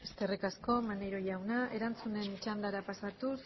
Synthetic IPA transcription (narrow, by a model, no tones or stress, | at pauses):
est̪e̞rikasko̞manejɾo̞jawnaʔe̞ɾant͡sune̞nt͡ʃand̪aɾapasat̪us